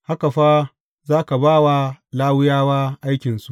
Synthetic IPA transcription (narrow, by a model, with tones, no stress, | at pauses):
ha˦ka˨ɸaː˦ | zaː˦ka˨baː˦wa˦laː˦wʊ˦jaː˦waː˦ʔa˦jkʲɪ˨nsu˨ʔ